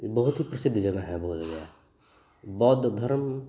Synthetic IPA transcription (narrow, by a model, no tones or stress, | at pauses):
bɐɦʊt̪ɦipɾɐsɪd̪ʱːd͡ʒɐɡaɦɛboːd͡ʒɡa | bɔːt̪d̪ʱɐɾm